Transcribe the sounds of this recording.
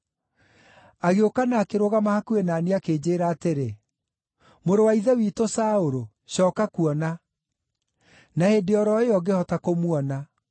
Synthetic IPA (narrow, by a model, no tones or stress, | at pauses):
aɣeokanaːkeɾoɣamahakuɛnaːneakeːd͡ʑeːɾaːteɾe | moɾowaiðɛwiːtosaoɾo | ɕɔːkakuɔna | nahedeɔɾɔeɔɡehɔtakomwɔna